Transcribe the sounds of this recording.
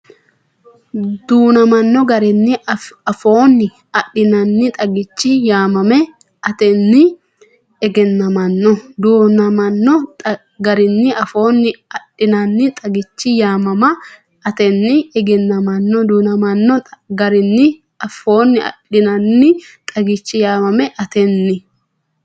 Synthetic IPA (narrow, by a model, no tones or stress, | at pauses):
d̪uːnɐmɐnːɔɡɐɾɪnːɪɐfo̞ːnːɪ | ɐɗːɪnɐnːɪt̪ʼɐɡɪt͡ʃːɪjaːmɐmɛ | ɐt̪ɛnːɪ | ɛɡɛnːɐmɐnːɔd̪uːnɐmɐnːɔ | ɡɐɾɪnːɪʔɐfo̞ːnːɪɐɗɪnɐnːɪt̪ʼɐɡɪt͡ʃːɪjaːmɐmɐ | ɐt̪ɛnːɪɛɡɛnːɐmɐnːɔd̪uːnɐmɐnːɔɡɐɾɪnːɪ | ɐfo̞ːnːɪʔɐ̰ɗɪnɐnːɪt̪ʼɐɡɪt͡ʃːɪjaːmɐmɛʔɐt̪ɛnːɪ